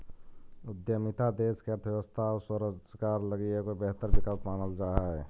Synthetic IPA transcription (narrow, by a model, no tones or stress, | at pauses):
ʊd̪jəmit̪ʰad̪eːskeəɾt̪ʰjeʋəst̪ʰaoswəɾəkaːɾləɡiekobɛɦt̪əɾbɪkəlpmaːnəld͡ʒaːɦaɦɛ